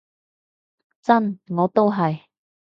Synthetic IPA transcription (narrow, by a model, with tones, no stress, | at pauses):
t͡sɐ˥nŋɔː˨˧t̪o˥wɦɐ˨j